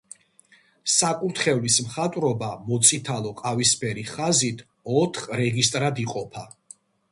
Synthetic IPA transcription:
sakʼuɾt̪χɛvlismχat̪ʼwɾɔbamɔt̪sʼit̪ʰalˠɔqʼavispʰɛɾiχazit̪ʰ | ɔt̪ʰχɾɛɡist̪ʼɾad̪iqʼɔpʰa

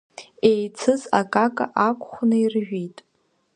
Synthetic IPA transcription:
ejt͡sʰɨza̰kʼakʼa̰ʔakʷʼχʷnɨirʒᶣitʼ

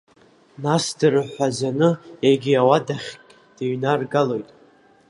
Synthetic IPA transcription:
nasdɨrɨħʷazanɨeɡʲiawadaχʲkʼ | d̥eɥnarɡalo̞jtʼ

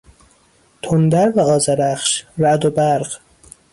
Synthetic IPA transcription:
t̪ʰond̪æɾvæɒːzæɾæχʃɾæd̪obæɾɢ

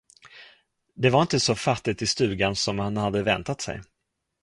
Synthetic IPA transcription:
d̪ɛvaɾɪnt̪əsɔfat̪ːɪt̪ɪst̪ʉ̟ːɡansɔmhanhad̪ːəvɛnt̪at̪sɛ̰j

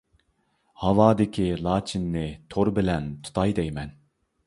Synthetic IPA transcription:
hɑvɑːd̪ɪkʲʰilˠɑːt͡ʃʰinːɪt̪ʰoɾbɪlɛnt̪ʰu̥t̪ʰɑjd̪ɛjmɛn

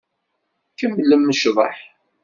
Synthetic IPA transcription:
kəmːlːəmːəʃðˤɑħ

